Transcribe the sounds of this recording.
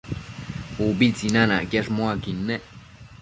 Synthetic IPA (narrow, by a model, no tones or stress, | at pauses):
ubit͡sinãna̰kjaʂmoakinːeʔ